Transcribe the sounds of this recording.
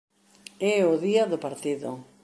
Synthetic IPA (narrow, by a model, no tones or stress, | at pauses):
ɛʊðiaðopaɾt̪iðʊ